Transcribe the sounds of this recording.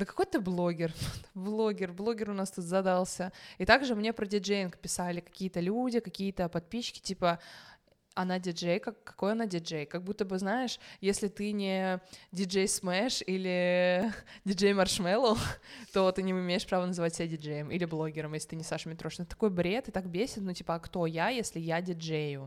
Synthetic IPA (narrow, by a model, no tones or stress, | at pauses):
d̪əkɐ̥ko̞jt̪ɨblˠoɡʲɪrblˠo̞ɡʲɪrblˠo̞ɡʲɪrʊnast̪ut̪zɐd̪alˠsʲəit̪aɡʐɨmnʲepɾədʲɪd͡ʐejɪnkə̥pʲɪsalʲɪkɐ̥kʲijət̪əlʲudʲɪkɐkʲijət̪əpɐt̪̚pʲiɕːkʲɪ̥tʲipə | ɐnadʲɪd͡ʐejkɐkːɐ̥ko̞jɐnadʲɪd͡ʐejkɐɡ̚but̪ːəbɨznaɪʂjesʲlʲɪt̪ɨnʲɪdʲɪd͡ʐejsmɛʂilʲɪ | dʲɪd͡ʐejmɐrʂmɛlˠət̪ot̪ɨnʲɪɪmʲejɪʂpɾavənəzɨvatʲsʲɪbʲadʲɪd͡ʐejəmʔḭlʲɪblˠo̞ɡʲɪɾəmjeslʲɪt̪ɨnʲɪsaʂmʲɪt̪ɾo̞ʂnət̪t̪ːɐ̥ko̞jbɾʲe̞t̪ɨt̪akbʲesʲɪt̪nutʲipəɐkt̪o̞jajesʲlʲɪjadʲɪd͡ʐejʊ